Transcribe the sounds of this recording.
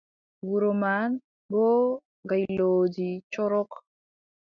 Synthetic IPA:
wuɾoman | boː | ɡajloːd͡ʒit͡ʃɔɾɔk

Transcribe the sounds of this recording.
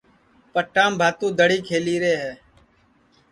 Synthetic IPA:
pəʈaːmbʱaːt̪ũːd̪əɽiːkʰeːliːɾeːɦɛː

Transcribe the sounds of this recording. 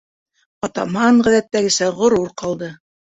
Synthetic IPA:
ɒt̪ɑmɑɴʁæðæt̪ːæɡɘ̆sæʁŏɾuɾqɑlˠd̪ɤ

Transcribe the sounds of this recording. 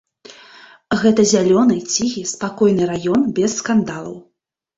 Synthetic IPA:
ɣɛt̪ɐzʲalʲɔnɨt͡sʲiɣʲispakɔjnɨɾajɔnbʲɛsːkand̪alˠɐ̰w

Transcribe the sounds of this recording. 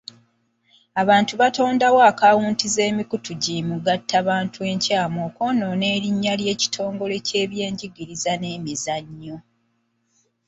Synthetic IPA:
aβaːntuβato̞ːndawoakawuːntize̞ːmikutuɟimuɡatʰːaβaːntʰue̞ɲcaːmoːko̞ːnone̞ːɾiɲːalje̞ːci̥tʰo̞ːŋɡo̞le̞ce̞ːβje̞ːɲɟiɡiɾizane̞ːmizaɲːo̞

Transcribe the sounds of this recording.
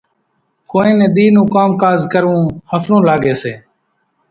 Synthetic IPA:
koːĩːnẽːɗ̪iːnũːkaːmkaːzkəɾʋũːhəfʰnũːlaːɡeːseː

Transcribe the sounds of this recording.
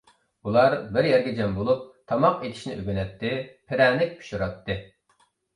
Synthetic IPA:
ulˠɑɾbɪɾjɛɾɡʲɛd͡ʒɛmbolˠup̚t̪ʰɑmɑqet̪ʰɪ̥ʃnɪ̰ʔøɡʲynɛt̪ːɪpʰɪɾɛːnɪk̚ʲpʰu̥ʃuɾɑt̪ʰːɨ

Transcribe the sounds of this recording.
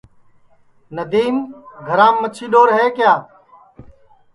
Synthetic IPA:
nəd̪iːmɡʱəɾãːmːət͡ʃʰiːɗoːɾɦeːkjaː

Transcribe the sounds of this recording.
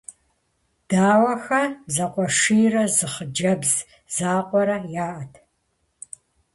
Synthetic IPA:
d̥aːwɐxɐzɐqʷʼɔʂiːrɐzɨχəd͡ʒɐbz | z̥aːqʷʼɔɾɐjaːʔɐtʰ

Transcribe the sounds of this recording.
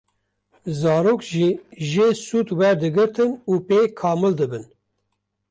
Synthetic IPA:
zɑːɾoːkʒiːʒeːsuːt̪wɛɾd̪ɨɡɨɾt̪ʰɨnuːpeːkʰɑːmɨld̪ɨbɨn

